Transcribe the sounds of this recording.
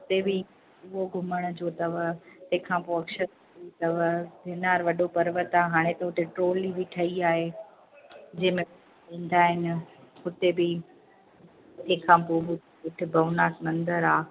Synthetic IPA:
ɦʊt̪ebɪ | ʊɦoɡʱʊməɽ̃ʊd͡ʑoːt̪ɐʋət̪ɐ̃ɦɪ̃kʰãpoɐkʃəɾ | it̪ɐʋbʱɪnaːɾʋɐɗopɐɾʋət̪aːɦaːɽ̃et̪ɐɦʊʈ̪ʰeʈɾoːlibʱiʈʰɐiaːɦe | d͡ʑɐ̃ɦɪ̃mẽ | ĩːn̆d̪aːɦɪnɪ̆ɦʊt̪ebɪ | t̪ẽːkʰãːpoːɦʊ | ɦʊʈʰɪbʱɐʋnaːtmɐ̃nd̪əɾaː

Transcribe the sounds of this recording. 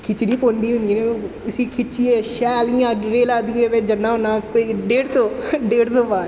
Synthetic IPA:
kʰɪt͡ʃnĩːpõːnd̪iːɦʊ̃nd̪iːnẽː | ʊsĩːkʰɪt͡ʃiːɛːʃɛːliːãːɾeːlaːd̪iːɛːʋed͡ʒənːãːɦʊnãːpeɖeːɽsoːɖeːɽsoːbaː

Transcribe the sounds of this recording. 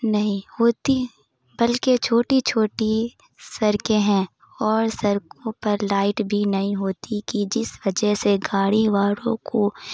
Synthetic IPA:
nɐɦĩhoːt̪i | bɐlket͡ʃʰoːʈit͡ʃʰoːʈi | sɐɾkẽɦɛ̃ | ɔːɾsɐɾkõpɐɾlaːɪʈbʱinɐɦĩɦoːt̪ikid͡ʒɪsʋɐd͡ʒəɦseɡaːɽiʋaːɽõko

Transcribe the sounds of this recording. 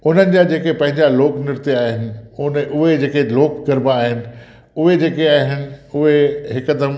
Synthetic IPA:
ʊn̤ənɪ̆d͡ʑad͡ʑeːkepɐ̃ɦɪ̃ɲd͡ʑaloːknɪɾt̪iaːɦɪnɪ̆ʊnʊɦed͡ʑeːkeloːkɡɐɾbaːɦɪnɪ̆ | ʊɦed͡ʑeːkeaːɦɪnɪ̆ʊɦeɦɪkəd̪ə

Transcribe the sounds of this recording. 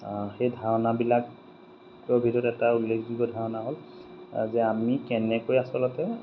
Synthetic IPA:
xejdʱaɹɔnabilakː | ɔbʱitɔɔtɛtaulːekʰdiɡɔdʱaɹɔnaɦol | zɛamikɛnɛkojasɔlɔtɛ

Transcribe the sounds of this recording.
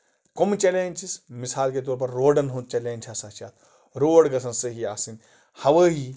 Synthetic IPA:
komt͡ʃeleːnʲt͡ʃismisaːlket̪oːɾpɐɾːoːɖɐnɦõnt̪̚t͡ʃeːlẽːnt͡ʃʰaːsaːt͡ʃaːt̪ | ɾoːɽɡɐsɐnsɐɦiaːsinʲ | hɐʋəːɦi

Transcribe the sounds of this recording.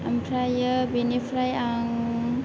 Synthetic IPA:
ʔampʰɾajəbenifʰɾajaŋ

